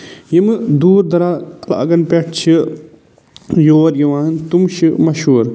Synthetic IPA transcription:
jimɨd̪uːɾd̪ɐɾaːkɐla̰ɐ̰ɡɐnpeʈʰt͡ʃʰi | joːɾjɐʋaːnt̪umʃimɐʃɦuːɾ

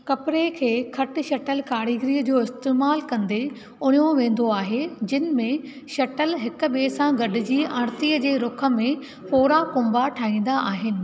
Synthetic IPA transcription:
kɐpɪɾekʰeːkʰɐʈɪ̆ʃɐʈəlkaːɽiːɡɾiːəd͡ʑoːɪst̪eːmaːlkɐ̃nd̪e | ʊnjõʋẽːn̆d̪oaːɦed͡ʑɪnmẽ | ʃɐʈəlɦɪkʊ̆ɓeːsãɡɐɖʱɪ̆d͡ʑiːʔɐ̃ɽ̃t̪iəd͡ʑeːɾʊkʰə̆mẽ | poːɾakʊ̃mbaʈʰaːɦĩːn̆d̪aʔaːɦɪnɪ̆

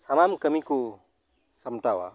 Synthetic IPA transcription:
samamkəmiku | səmʈawa̰

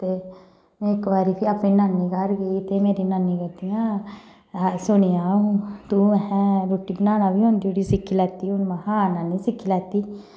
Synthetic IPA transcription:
t̪e | mɛ̃ɪkːbaːɾipʰiapĩnanːikəɾɡəit̪emeːɾinanːikət̪ijãː | asʊniãũt̪ũɛɛ̃ɾoːʈːibənaːnãbʱiɦõːnd̪ioɽisɪkʰːilaːt̪iʊnmãhãːnanːisɪkʰːilaːt̪iː

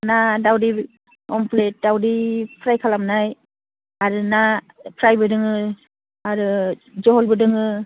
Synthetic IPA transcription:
nadawdi | ɔmpʰlet̚dawdipʰɾajkʰalamnaj | aɾɯna | pʰɾajbɯdɯŋɯ | aɾɯzɔɦɔlbɯdɯŋɯ

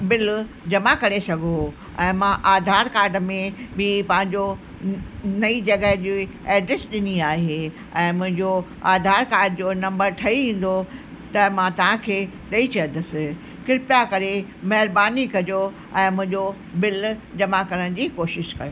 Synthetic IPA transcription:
bɪl | d͡ʑɐmakɐɾesɐɡʱo | ɛ̃ːmãʔaːd̪ʱaːɾkaːɾɖmẽbɪpɐ̃ɦɪ̃ɲd͡ʑo | nɐid͡ʑɐɡəɦd͡ʑi | ɛːɖɾesɗɪniaːɦe | ɛ̃ːmʊ̃ɦɪ̃ɲd͡ʑo | aːd̪ʱaːɾkaːɾɖd͡ʑoːnɐ̃mbəɾʈ̪ʰɐiʋĩːn̆d̪o | t̪ɐmãt̪ɐʋ̤ãkʰeː | ɗɐit͡ɕɐjə̃nd̪ɐsɪ̆ | kɪɾɪpjakɐɾemɐɦɪɾbaːnikɐjo | ɛ̃ːmʊ̃ɦɪ̃ɲd͡ʑo | bɪld͡ʑɐmakɐɾəñ̆d͡ʑiːkoːʃɪʃkɐjoː

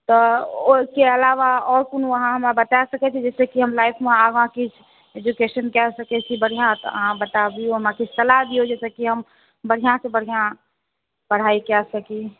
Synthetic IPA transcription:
t̪ɔokeəlaʋaɔːɾkunuəɦãɦəmebət̪asəkɛt͡ʃʰid͡ʒɛːsekiɦəmlaːipʰmẽaɡãkit͡ʃʰ | ed͡ʒukeʃənkɛsəkɛt͡ʃʰibəɽ̤ijãt̪ə̰ɦãbət̪abioɦəmãkit͡ʃʰt̪əlab̪iod͡ʒɛːsekiɦəm | bəɽ̤ijãsebəɽ̤ijã | bəɽ̤aikɛsəki

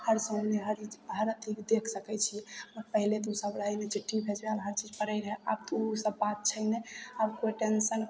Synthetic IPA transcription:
həɾsə̃neɦəɾt͡ʃid͡ʒɦəɾət̪ʰikd̪ekʰsəkɛt͡ʃʰiəɾpəɦilet̪usəbɾajnet͡ʃiʈʰːibʱed͡ʒealɦəɾt͡ʃid͡ʒpəɾəjɾɦea̰b̚t̪usəbːat̪̚t͡ʃʰəɦneəbkoʈensən

